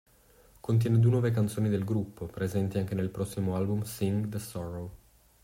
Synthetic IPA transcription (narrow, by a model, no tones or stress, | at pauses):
kont̪̬jɛːned̪uenwɔːvek̬ant̪soːnid̪elɡɾupːopɾezɛnt̪iaŋk̟enelpɾɔsːimoalbumsiŋd̪əsɔɾo